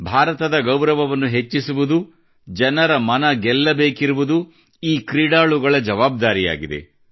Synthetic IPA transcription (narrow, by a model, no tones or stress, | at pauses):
bʱaːɾɐt̪ɐd̪ɐɡɐwɾɐʋɐʋɐnːuɦe̞t͡ʃːisuʋud̪u | d͡ʒɐnɐɾɐmɐnɐɡɛlːɐbeːkiɾuʋud̪u | iːkɾiːɽaːɭuɡɐɭɐd͡ʒɐʋaːb̚d̪aːɾija̰ːɡid̪e̞̰